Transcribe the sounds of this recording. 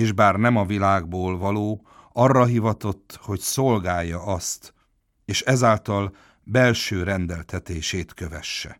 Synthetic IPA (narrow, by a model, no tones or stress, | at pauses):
eːʒbaːrnɛmɒvilaːɡ̚boːlvɒloː | ɒrːɒɦivɒt̪o̞t̪ːho̞cso̞lɡaːjːɒɒst̪ | eːʃɛzaːlt̪ɒl | bɛlʃøːɾɛnd̪ɛlt̪ɛt̪eːʃeːt̪kø̞vɛʃːɛ̰